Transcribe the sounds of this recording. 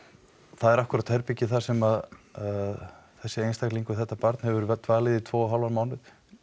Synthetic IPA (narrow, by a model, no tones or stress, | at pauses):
θaðɛɾahkʏɾat̪hɛɾpicɪθḁsɛmað | θɛsːɪejnst̪akliŋkʏθɛht̪ːapaɾt̪nhɛvʏɾt̪vaːlɪðit̪ʰvoːaɦawlvaɾmaːwnɪð